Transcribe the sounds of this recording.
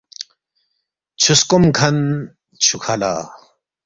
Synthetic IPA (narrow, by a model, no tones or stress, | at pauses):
t͡ɕʰuskomkʰɐn | t͡ɕʰukʰala̰ː